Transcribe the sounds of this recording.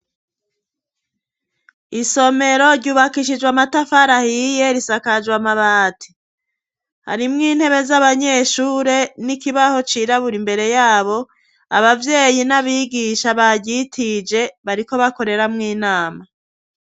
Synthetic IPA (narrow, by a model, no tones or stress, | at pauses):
iso̞me̞ɾo̞ɾɟuːβakiʃid͡ʒɡwamatafaɾahije̞ɾisakad͡ʒwamaβaːtʰi̥ | ha̰ɾimŋiːn̥he̞βe̞zaβaɲe̞ːʃuːɾe̞nikiβaho̞t͡ʃiɾaβuɾimbe̞ɾe̞jaːβo̞ | a̰βavje̞ːjinaβiɡiʃaβaɟɟitʰid͡ʒe̞βaɾiko̞βako̞ɾe̞ɾamŋiːnaːma